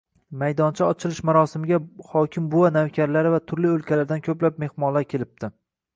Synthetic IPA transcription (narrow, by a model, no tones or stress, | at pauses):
majd̪ɒnt͡ʃʰɪɒt͡ʃʰɪlɪʃmaɾɒsɪmɪɡʲahɒkʲʰɪmbowanawkʲʰaɾlaɾɪvat̪ʰʊɾliɵlkʲʰalaɾd̪ankʲʰɵplap̚me̞hmɒlaɾkʲʰe̞lɪp̚t̪ʰɪ